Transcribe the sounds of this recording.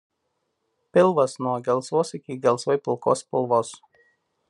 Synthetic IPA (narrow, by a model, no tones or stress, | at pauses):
pʲɪlˠʋɐsnuɔɡʲɛlˠˑsʋoːsɪkʲɪɡʲɛlˠˑsʋɐɪpʲɪlˠko̰ːspʲɪlˠʋoːs